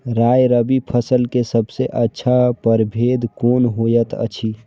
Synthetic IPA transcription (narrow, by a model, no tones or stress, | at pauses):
ɾaːjɾəbipʰəsəlkesəbseʔətːʃʰapəɾbʱeːd̪koːnɦoːjət̪ə̰t͡ʃʰi